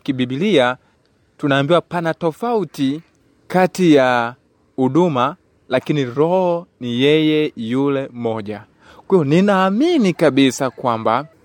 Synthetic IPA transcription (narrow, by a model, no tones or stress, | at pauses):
kiɓiɓilia | tunaːmbiwapanatɔfauti | katija | huɗuma | lakiniɾɔhɔnijɛjɛjulɛmɔʄa | kwiɔninaːminikaɓisakwamba